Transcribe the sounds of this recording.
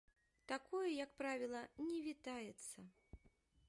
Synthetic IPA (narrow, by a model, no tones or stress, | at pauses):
t̪akɔjɐjɐkpɾavʲilˠɐnʲɛvʲit̪ajɛt̪sːɐ